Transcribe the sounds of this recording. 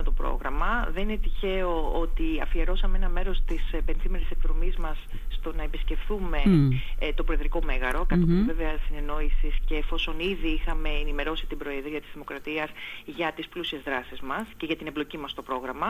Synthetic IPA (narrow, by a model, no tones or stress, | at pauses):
ot̪opɾo̞̰ɣɾɐmɐðeninet̪içe̞o̞o̞t̪iɐfieɾo̞sɐmeenɐme̞ɾo̞st̪ispe̞nθimeɾise̞kðɾo̞mizmɐsː | t̪o̞nɐepisce̞fθume̞t̪o̞pɾo̞eðɾiko̞me̞ɣɐɾo̞kɐt̪omeveveɐst̪ine̞no̞isisce̞ːfo̞so̞niðiixɐme̞enime̞ɾo̞sit̪ibɾo̞e̞ðɾiɐt̪izðimo̞kɾɐt̪iɐsʝɐt̪isplusie̞zðɾɐsizmɐsce̞ʝɐt̪inemblo̞cimɐst̪o̞pɾo̞ɣɾɐmɐ